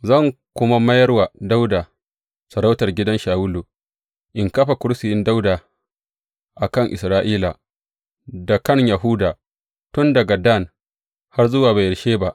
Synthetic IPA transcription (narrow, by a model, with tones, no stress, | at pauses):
zɐ˦˨ŋ | kʷʊ˦ma˦mɐ˦jɐ˦rwa˨da˦wdaː˨ | sɐ˨ɽa˦wtɐ˨rɡʲɪ˦dɐ˦nʃaː˨wʊ˦lu˨ | ʔɪ˨ŋkɐ˦ɸa˨kʷʊ˦ɽsɪ˨jɪ˦nda˦wdaː˨ | ʔa˨kɐ˦ŋʔɪ˨sɾaː˦ʔiː˦la˨ | da˨kɐ˦˨ɲjɐ˨ɦʊ˦daː˨ | tʊ˦ndɐ˨ɡa˨da˦˨n | ha˦rzʊ˦waː˨ba˨jɐ˨ʃeː˦ba˦ʔ